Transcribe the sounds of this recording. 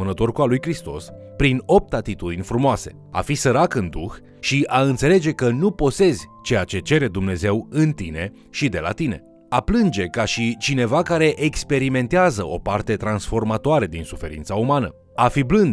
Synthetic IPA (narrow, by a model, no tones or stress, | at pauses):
ɨnət̪o̞rkualujkɾist̪o̞̰s | pɾino̞p̚t̪at̪it̪ud̪inʲfɾumoase̞̰ | a̰fisəɾakɨnd̪ux | ʃiʔaɨnt̪se̞le̞d͡ʒe̞kənupo̞se̞zʲt͡ʃe̞jat͡ʃe̞t͡ʃe̞ɾe̞d̪umne̞ze̞wɨnt̪ine̞ | ʃid̪e̞la̰t̪ine̞̰ | aplɨnd͡ʒe̞kaʃit͡ʃine̞vakaɾe̞ʔekspe̞ɾime̞nt̪eazəʔo̞̰part̪e̞t̪ɾansfo̞rmat̪oaɾed̪insufe̞ɾḭnt̪saumanə̰ | afiblɨnd̪